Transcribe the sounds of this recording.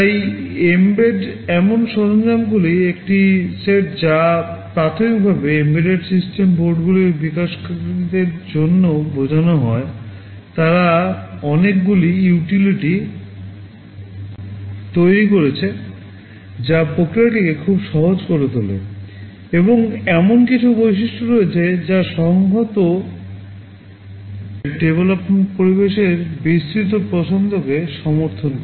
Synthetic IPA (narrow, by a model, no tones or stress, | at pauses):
ajembeɖɛmonʃɔɾond͡ʑamɡuliekʈiseʈd͡ʑapɾat̪ʰomiik̚bʱabeembeɖeɾsisʈemboɾɖɡuliɾbikaʃkaid̪eɾd͡ʑonːobʱod͡ʑanoɦɔe | t̪aɾaɔnek̚ɡuliuʈiliʈi | t̪ojɾikoɾet͡ɕʰe | d͡ʑapɾokɾiaʈikekʰubʃɔɦod͡ʑkoɾet̪olḛ | eboŋɛmonkit͡ɕʰubojʃiʃʈʰoɾoet͡ɕʰed͡ʑaʃɔŋɡʱot̪o | ɖebelopmeɳʈpoɾibeʃeɾbist̪ɾit̪̬opɾɔsond̪ʱokeʃɔmoɾt̪ʰonkɔ